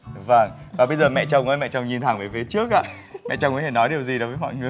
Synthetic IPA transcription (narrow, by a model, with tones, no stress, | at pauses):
və˧˩ŋvaː˨˩ɓə˧jzəː˨˩mɛ̰˧˨t͡ɕə˧wŋ͡mkɔ˨˦mɛ̰˧˨t͡ɕɔ˧wŋ͡mɲi˧nt̪ʰa˨˧˩ŋvəː˨˦jfi˨˦t͡ɕɨ˦˥ək̚ʔaː˧˨ | mɛ̰˧˨t͡ɕɔ˧wŋ͡mkɔ˨˦t̪ʰe˧˩nɔ˨˦jɗi˨˩əwzi˨˩əo˨˦vəː˨˦jmɔ̰˧˨jŋɨ˨˩əj